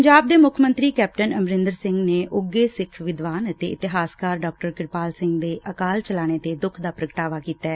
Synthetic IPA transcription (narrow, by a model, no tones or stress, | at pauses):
ɲd͡ʒaːb̚d̪eːmʊkʰmənt̪ɾiːkɛːp̚ʈənəmɾɪ̃nd̪əɾsɪ̃ŋɡneːʔʊɡːeːsɪkʰʋɪd̪ʋaːnt̪eːʔɪt̪ɪɦaːskaːɾɖɔːk̚ʈəɾkɪɾpaːlsɪ̃ŋɡd̪eːʔəkaːlt͡ʃəlaːɽ̃eːt̪eːd̪ʊkʰd̪aːpɾəɡəʈaːʋaːkiːt̪aɛ